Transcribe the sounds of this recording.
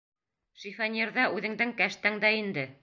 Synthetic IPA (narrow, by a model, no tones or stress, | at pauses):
ʃifænʲeɾðɑʔʉðɘ̆ŋd̪ɘŋkæʃt̪æŋd̪æind̪ɘ